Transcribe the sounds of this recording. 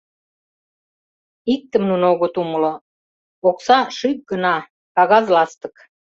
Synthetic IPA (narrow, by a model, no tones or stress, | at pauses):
ik̚t̪ə̆mnunoɣot̪uməlo | oksɑʃyk̚ɡənɑ | kɑɣɑzlɑst̪ə̥̆k